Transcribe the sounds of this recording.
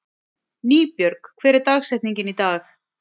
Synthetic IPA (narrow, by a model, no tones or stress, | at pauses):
niːpjœɾkkʰvɛːɾɛɾt̪aːɣsɛjht̪niɲcɪnit̪aːx